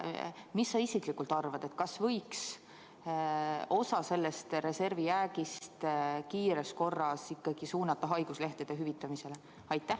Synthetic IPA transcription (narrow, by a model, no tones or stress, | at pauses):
misːɑisiklikult̪ɑrvɑd̪̥e̞t̪̚kɑsvɤ̞jks | o̞sɑse̞lːe̞st̪re̞se̞rviæːɡist̪kiːɾesko̞rːɑsikːɑɡ̥isuːnɑt̪ːˑɑɦɑjɡ̥usle̞ht̪ed̪̥eɦyvit̪ːˑɑmise̞le | ɑjt̪ˑːæh